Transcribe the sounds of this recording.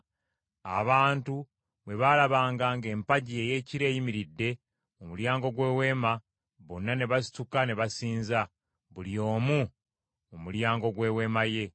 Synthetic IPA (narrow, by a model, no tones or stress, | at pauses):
a̰βaːntu | βwe̞βalaβaːŋɡaːŋɡe̞ːmpaɟie̞je̞ːciɾe̞ːjimiɾidːe̞ | omuljaːŋɡo̞ɡwe̞ːwe̞ːma | βonːane̞βasi̥tukane̞βasiːnza | βulio̞ːmu | omuljaːŋɡo̞ɡwe̞ːwe̞ːmaje̞